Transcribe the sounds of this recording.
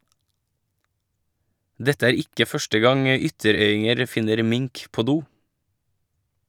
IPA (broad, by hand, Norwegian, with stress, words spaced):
ˈdɛtə ˈæːɾ ˈɪkə ˈfœʃʈə ˈɡɑŋ ə ˈʏtəˌɾœʏɪŋəɾ ˈfɪnəɾ ˈmɪŋk ˈpoː ˈduː